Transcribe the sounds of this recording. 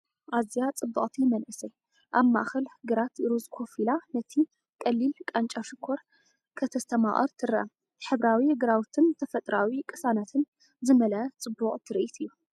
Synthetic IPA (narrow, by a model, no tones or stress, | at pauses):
ʔazijat͡sʼɨbːuχʼt̪ʰimɐnʔɨsɐj | ʔaβma̰ʔxɐlhɨɡɨɾat̪ɪɾuzkʰo̞filanɐt̪ʰi | kʼɐlːilkʼant͡ʃʼaʃɨkʰːoɾ | kʰɐt̪ʰɐst̪ʰɐma̰χʼɐ̰ɾt̪ʰɨɾʔɐ | ħɨβɾawihɨɡɨɾawt̪ʰɨnt̪ʰɐfɐt̪ʼɾawikʼɨsanat̪ʰɨn | zɨmɐlɐt͡sʼɨbːuqʼt̪ʰɨɾʔit̪ʰɨjːu